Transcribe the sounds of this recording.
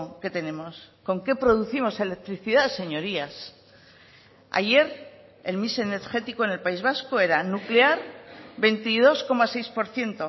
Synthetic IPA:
ke̞t̪e̞ne̞mo̞sko̞ŋke̞pɾo̞ð̞uθimo̞se̞lek̚t̪ɾiθiðaðese̞ɲo̞ɾias | a̰ʝe̞ɾ | e̞lmise̞ne̞ɾxe̞t̪iko̞ene̞lpaizβ̞asko̞e̞ɾanukle̞aɾbe̞nt̪iðo̞sko̞mase̞jspo̞ɾθje̞nt̪o̞

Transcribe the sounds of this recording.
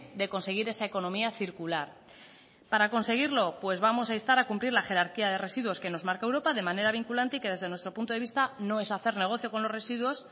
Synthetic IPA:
ðe̞ko̞nse̞ɣ̞iɾe̞saeko̞nõ̞miaθiɾkulaɾ | paɾako̞nse̞ɣ̞iɾlo̞pwe̞zβamo̞saist̪aɾakumpliɾlaxe̞ɾaɾkiaðe̞re̞siðwo̞ske̞no̞zmaɾkaewɾo̞paðe̞mane̞ɾaβ̞iŋkulant̪eike̞ðe̞zðenwe̞st̪ɾo̞punt̪o̞ðeist̪ano̞e̞saθe̞ɾne̞ɣ̞o̞θjo̞ko̞nlo̞re̞siðwo̞s

